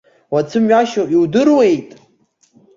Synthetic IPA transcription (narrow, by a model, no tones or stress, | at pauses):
wat͡sʰɨmɥaʃoiwdɨrwe̞jtʼ